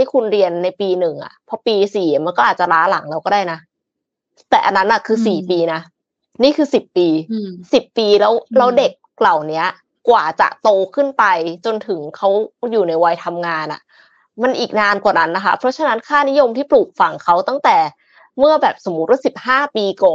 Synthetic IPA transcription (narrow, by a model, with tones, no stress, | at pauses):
t̪ʰiː˥˩kʰu˧nɾi˧ənːa˧jpiː˧nɯ˨˩ŋʔa̰˨˩pʰɔ˦˥piː˧siː˨˩˦ma˧nkɔː˥˩ʔaː˨˩t̪̚t͡ɕa˨˩ɾaː˦˥la˩˦ŋlɛː˦˥wkɔː˥˩daː˥˩jna˦˥ | t̪ɛː˨˩ʔa˧nːa˦˥nʔa˨˩kʰɯː˧siː˨˩piː˧na˦˥ | niː˥˩kʰɯː˧si˨˩pːiː˧si˨˩pːiː˧lɛː˦˥wlɛː˦˥wde˨˩k̚la˨˩wni˦˥ɐ | kwaː˨˩t͡ɕa̰˨˩ʔt̪oː˧kʰɯ˥˩npa˧jt͡ɕo˧nt̪ʰɯ˩˦ŋkʰa˦˥wjuː˨˩na˧jwa˧jt̪ʰa˧mŋaː˧nʔa̰˨˩ | ma˧nʔiː˨˩k̚naː˧nkwaː˨˩na˦˥nːa˦˥kʰa˦˥pʰɾɔ˦˥t͡ɕʰa˧na˦˥nkʰaː˥˩ni˦˥jo˧mt̪ʰiː˥˩pluː˨˩k̚fa˧˩ŋkʰa˦˥wt̪a˥˩ŋt̪ɛː˨˩ | mɯ˥˩ɐbɛː˨˩p̚so˩˦mːu˦˥t̪̚wa˥˩si˨˩p̚haː˥˩piː˧kɔː˨˩n